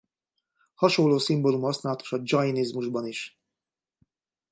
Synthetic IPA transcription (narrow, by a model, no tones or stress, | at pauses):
hɒʃolːoːsimbolumhɒsnaːlɒt̪o̥ʃɒd͡ʒɒjinizmuʒbɒniʃ